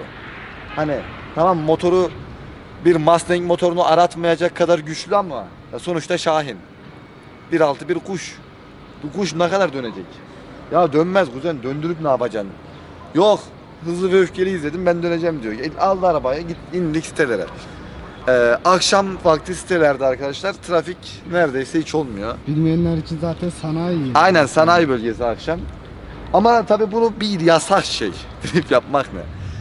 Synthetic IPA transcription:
o̰ | hani | t̪ʰamamːo̞t̪ʰo̞ɾu | biɾmast̪ʲɛɲcmo̞t̪ʰo̞ɾunuʔaɾat̪majad͡ʒakʰːad̪aɾɟyt͡ʃlʲyama | jaso̞nut͡ʃt̪ʰaʃaːɦin | b̥iɾalˠt̪ʰɯbiɾɡuʃ | b̥uɡuʃnakad̪aɾd̪ø̞ne̞d͡ʒɛc | jad̪ønmæzɡuzɛnd̪ønd̪yɾypnaːbad͡ʒan | jox | ɦɯzlˠɯvɛøfcʰe̞lʲiizlʲe̞d̪imbænd̪øned͡ʒɛmd̪ijoɟalˠd̪aɾabajaɟit̪inlicsi̥t̪ʰelʲeɾɛ̰ | ɛːakʃamfaɾklˠɯsi̥t̪ʰelʲæɾd̪ɛaɾkʰad̪aʃlˠaɾt̪ʰɾafic | næɾd̪ejsɛhit͡ʃʰo̞lˠmujobilʲmijænlʲæɾit͡ʃʰinzaːt̪ʰɛnsanajajnænsanaːjbølʲɟes̬iakʃam | amat̪ʰabiːbunubiɾjasaxʃḛj | d̪̥inʲipjapmaknɯ̰

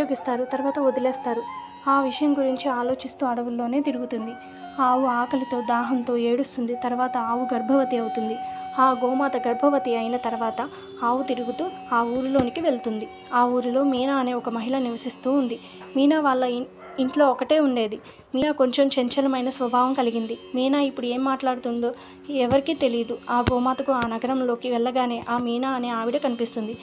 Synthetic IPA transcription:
oːɡist̪aːɾut̪ɐɾuʋaːt̪ɐod̪ilɛːst̪aːɾu | aːʋiʂɐjɐmɡuɾiɲt͡ʃiaːlo̞ːt͡ʃist̪uːɐɽɐʋulːo̞ːne̞ːt̪iɾuɡut̪und̪i | aːwuaːkɐlit̪o̞ːd̪aːɦɐnt̪o̞ːe̞ːɽust̪und̪it̪ɐɾʋaːt̪ɐaːʋuɡɐɾbʱɐʋɐt̪iɐwut̪und̪iaːɡɔːmaːt̪ɐɡɐɾbʱɐʋɐt̪iɐjinɐt̪ɐɾuʋaːt̪ɐ | aːwut̪iɾuɡut̪uː | aːuːɾulo̞ːnikiʋe̞ɭt̪und̪i | aːuːɾulo̞ːmiːnaːne̞ːɔkɐmɐɦiɭɐniʋɐsist̪uːnd̪i | miːnaːʋaːɭːɐ | iɳʈlo̞ːɔkɐʈe̞ːuɳɖe̞ːd̪i | miːnaːko̞ɲt͡ʃomt͡ʃeɲt͡ʃɐlɐmɐjnɐsʋɐbʱaːʋɐmkɐliɡind̪imiːnaːipːuɽue̞ːmːaːʈlaːɽut̪und̪o̞ː | ɛʋɐɾikit̪e̞lid̪uaːɡɔːmaːt̪ɐkuaːnɐɡɐɾɐmlo̞ːkiʋɛɭːɐɡaːne̞ːʔaːmiːnaːɐne̞ːaːʋiɽɐkɐnipist̪und̪i

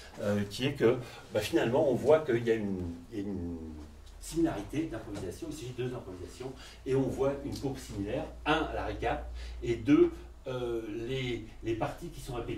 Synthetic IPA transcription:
økʲiɛkə | bafinalmɑ̃ɔ̃vwakəiljayniljayn | similaʁit̪ed̪ɛ̃pχɔvizasjɔ̃ilsaʒid̪d̪øzɛ̃pχɔvizasjɔ̃ | eɔ̃vwaynkopsimilɛːʁɛ̃ala̰ʁekap̪ed̪ø | øle | lepaʁt̪ikʲi̥sɔ̃ʁepe

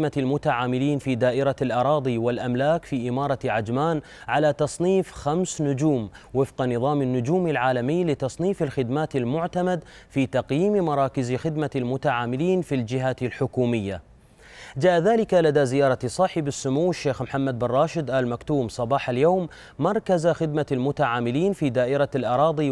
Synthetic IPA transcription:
malmʊt̪aʕaːmɪliːnfiːd̪aːʔɪɾalʔɑɾˤɑːd̪ˤiwɪlʔamlaːkfiːʔɪmɑːɾˤɑʕad͡ʒmaːn | ʕalat̪ɑsˤniːfxamsnʊd͡ʒuːm | wɪfqɑnɨðˤɑːmɪnːʊd͡ʒuːmɪlʕaːlamɪjːlɪt̪ɑsˤniːfɪlxɪd̪maːt̪almʊʕt̪amad̪fiːt̪ɑqjiːmmɑɾˤɑːkɪzxɪd̪malmʊt̪aʕaːmɪliːnfild͡ʒɪɦaɪlħʊkuːmɪjːa | d͡ʒaːʔðaːlɪkalad̪azɪjɑːɾˤɑsˤɑħɪbɪsːʊmuwːaʃːeːxmħamːad̪̚bɪrˤːɑːʃɪd̪ʔaːlmakt̪uːmsˤɑbɑːħaljoːmː | ɑɾˤkazxɪd̪malmʊt̪aʕaːmɪliːnfiːd̪aːʔɪɾalʔɑɾˤɑːðˤi

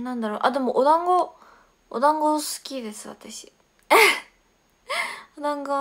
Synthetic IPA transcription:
nãnd̪aɾoːʔad̪e̞moʔod̪ãŋɡo | o̰d̪ãŋɡosɨ̥kʲid̪e̞sɨβa̰t̪aɕi̥ | od̪ãŋɡa

